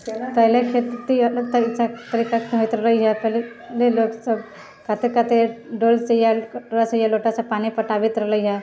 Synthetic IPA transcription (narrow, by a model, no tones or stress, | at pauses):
pəɦlekʰet̪t̪iloɡt̪əisat̪əɾikakʰəit̪ɾələjɦapəle | leloksəb | kat̪ekat̪eɖolt͡sejaɾasəjaloʈasapanipəʈaʋit̪ɾələɦa